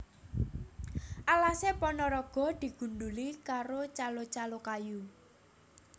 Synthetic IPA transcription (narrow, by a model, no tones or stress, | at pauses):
ʔalasepɔnɔɾɔɡ̥ɔ̤d̪̥i̤ɡ̥ṳnɖulikaɾot͡ʃalot͡ʃalokaju